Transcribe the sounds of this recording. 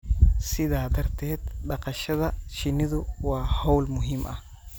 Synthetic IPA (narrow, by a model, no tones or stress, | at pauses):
sɪðaːd̪ɐrt̪ʰɛːd̪̚ɖɑqɑʃɐðɐʃɪnːɪðʊwɑːhɔwlmʊɦɪmʔɐ̰h